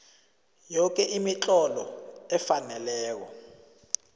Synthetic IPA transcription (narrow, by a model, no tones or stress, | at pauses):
jɔk̬ɛʔimit͡ɬʼɔlɔɛfanɛlɛːk̬ɔ